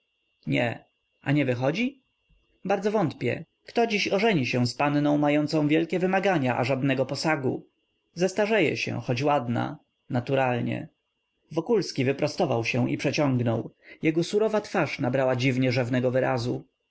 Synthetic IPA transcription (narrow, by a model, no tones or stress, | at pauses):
ɲɛ̰ | ʔa̰ɲɛvɘxɔd͡ʑi | baɾd̪zɔvɔnt̪pʲjɛ̰ | kt̪ɔd͡ʑiɕɔʐɛɲiɕɛ̃spanːɔ̃w̃majɔnt̪sɔ̃w̃vʲjɛlkʲɛvɘmaɡaɲaʔa̰ʐad̪nɛɡɔpɔsaɡu | zast̪aʐɛjɛ̰ɕɛ̰xɔd͡ʑwad̪na̰ | nat̪uɾalɲɛ̰ | vɔkulskʲivɘpɾɔst̪ɔvawɕɛ̃ʔipʂɛt͡ɕɔŋɡnɔwjɛɡɔsuɾɔvat̪faʂnabɾawad͡ʑivɲɛʐɛvnɛɡɔvɘɾazu